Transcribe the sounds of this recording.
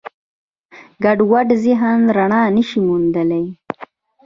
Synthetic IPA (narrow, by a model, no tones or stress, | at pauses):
ɡaɖwaɖziɦanɾaɳɑːnəʃimund̪əlaj